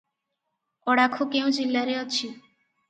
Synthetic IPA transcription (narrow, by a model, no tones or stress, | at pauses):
ɔɽakʰokeũd͡ʒilːaɾeɔt͡ʃʰi